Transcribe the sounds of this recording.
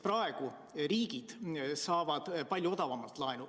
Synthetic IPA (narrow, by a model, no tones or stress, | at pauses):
prɑe̞ɡ̥u | riːɡid̪̥sɑːvɑd̪̥pɑlʲjuo̞d̪ɑvɑmɑlt̪ˑlɑjnu